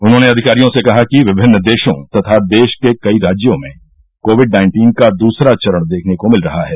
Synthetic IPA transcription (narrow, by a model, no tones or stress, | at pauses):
ʊnɦõːneɐd̪ʱɪkaːɾijõsekɐɦakiʋɪbʱɪnːd̪eːʃõ̰t̪ɐt̪ʰad̪eːʃkekɐiɾaːd͡ʒjõmẽ | koːʋɪɖnaːɪ̃ɳʈiːnkad̪uːsɾat͡ʃɐɾəɽ̃d̪eːkʰnekomɪlɾɐɦaɦɛː